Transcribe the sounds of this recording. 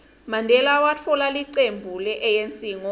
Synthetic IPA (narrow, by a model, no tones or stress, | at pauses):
mandʱɛlawat͡fʰɔlaliǀembʱulɛʔɛjent͡sʼiːŋɔ